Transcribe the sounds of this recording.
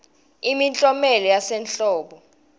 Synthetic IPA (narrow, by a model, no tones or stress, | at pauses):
imint͡ɬʼɔmɛlɔjasɛnt͡ɬʼɔːɓɔ